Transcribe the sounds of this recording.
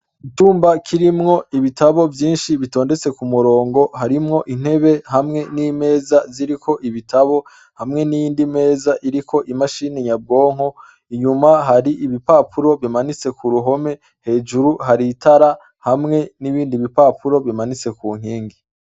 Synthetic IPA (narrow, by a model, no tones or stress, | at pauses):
ituːmbakʰiɾimŋo̞iβitʰaβo̞vjiːnʃiβito̞ːnde̞t͡se̞kumuɾo̞ːŋɡo̞ɦaɾimŋo̞ʔin̥he̞βe̞hamŋe̞nime̞ːzaziɾikʰo̞ʔiβitʰaβo̞ | hamŋe̞nijiːndime̞ːzaʔiɾikʰo̞ʔimaʃiːneɲab̚ɡo̞ːŋ̥ho̞ | iɲumaɦaɾiʔiβipaːpʰuɾo̞βimanit͡se̞kuɾuɦo̞me̞ | he̞ːd͡ʒuɾuhaɾitʰaɾa | hamŋe̞niβiːndiβipapuɾo̞βimanit͡se̞kuːŋ̥hiːŋɡi